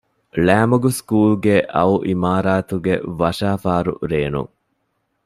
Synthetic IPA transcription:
læːmɐɡuskuːlɡeʔɐuʔimaːɾaːt̪uɡḛʋɐʃaːfaːɾṵɾeːnṵŋ

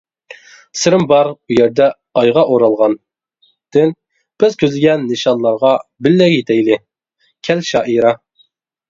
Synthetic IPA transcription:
sɪɾɪmbɑɾujɛɾd̪ɛ | ɑjʁɑʔoɾɑlˠʁɑn | d̪̥ɪn | b̥ɪzkʲʰøzlɪɡʲɛnːɨʃɑnlˠɑɾʁɑbɪlːɛjet̪ʰɛjlɪ | kʲʰɛlʃɑːʔiɾɑ

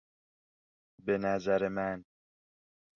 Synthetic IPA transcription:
be̞næzæɾemæn

